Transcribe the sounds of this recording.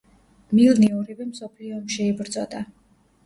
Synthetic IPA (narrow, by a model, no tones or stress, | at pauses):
milniɔɾivɛmsɔpʰliɔmʃɛibɾd̪zʼɔd̪a